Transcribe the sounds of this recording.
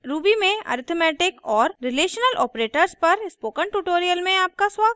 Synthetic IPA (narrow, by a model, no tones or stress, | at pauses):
ɾuːbimẽɐ̰ːɾɪt̪ʰmɛːʈɪkɔːɾɾɪleːʃənəlʔɔːpɾeːʈəɾspɐɾɪspoːkə̃ɳʈuːʈoːɾijəlmẽaːp̚kaswaːɡət